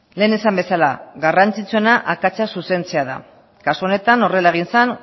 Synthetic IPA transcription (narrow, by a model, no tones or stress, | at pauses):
le̞ːne̞sambe̞salaɣarant͡sit͡sue̞naʔakat͡sasuse̞nt͡seaða̰ | kasuo̞ne̞t̪ano̞re̞laeɣ̞insan